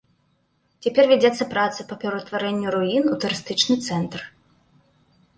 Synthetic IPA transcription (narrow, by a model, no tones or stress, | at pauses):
t͡sʲapʲɛrvʲad͡zʲɛt̪sːɐpɾat̪sɨpɐpʲɛɾɐt̪vaɾɛnʲːuɾuinut̪uɾɨst̪ɨt͡ʂnɨt̪sɛnt̪r